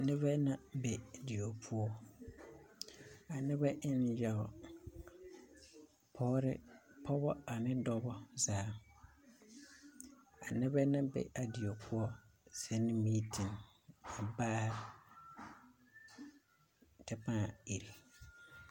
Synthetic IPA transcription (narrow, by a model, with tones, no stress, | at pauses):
nɪ˦βɛ˦na˦bɛ˨di˨o˨pʰʊ˦ɔ˦ | a˨nɪ˦bɛ˦ʔɪ˦n˦jɛ˨ɔ˨ | pʰɔ˦ɾɪ̰˦pʰɔ˦bɔ˦a˨nɪ˦dɔ˦bɔ˦zaː˨˦ | a˨nɪ˦βɛ˦na˦bɛ̰˨ʔa˨dɪ˨o˨pʰʊ˦ɔ˦sɛ˦nɪ˦miː˦tʰɪ˨n | a˨baː˦ɾɪ˨ | tɛ˦paː˦˨i˨ɾi˨